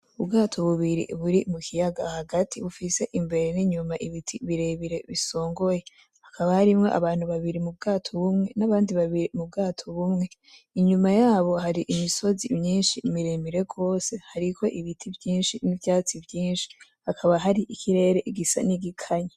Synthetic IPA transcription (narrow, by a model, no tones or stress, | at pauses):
ubɡaːtʰo̞βuβiɾḭβuɾimukʰijaɡahaɡatʰiβufise̞ʔimbe̞ɾeniɲumaʔiβitʰiβiɾe̞βiɾe̞βiso̞ːŋɡo̞je̞ | hakʰaβahaɾimŋe̞ʔa̰βaːn̥huβaβiɾimub̚ɡaːtʰoβumŋe̞naβaːndiβaβiɾimub̚ɡaːtʰo̞βumŋe̞ | iɲumajaːβo̞haɾiʔimiso̞zimɲiːnʃimiɾemiɾe̞ɡo̞ːse̞haɾikʰo̞ʔiβitʰivjiːnʃinivjaːt͡sivjiːnʃi̥hakʰaβaɦaɾiʔikʰiɾe̞ːɾe̞ʔiɡisa̰niɡikʰaɲa